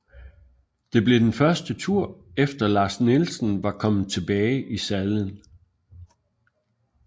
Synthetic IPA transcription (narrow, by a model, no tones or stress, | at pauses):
d̥e̝ble̝d̥enfɶɐsd̥ət͡sʰuɐ̰efd̥ɐlɑ̈ːsnelsən̩ʋɑ̈kʰɒ̽m̰ð̩ˠt͡sʰe̝b̥ɛːɪʔisælən